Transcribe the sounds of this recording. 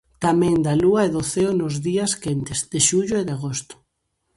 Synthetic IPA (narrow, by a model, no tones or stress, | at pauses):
t̪amɛ̃ŋd̪aluɐeðʊθeonʊzðiɐskent̪ɪzðeʃuʎʊeðaɣost̪ʊ̥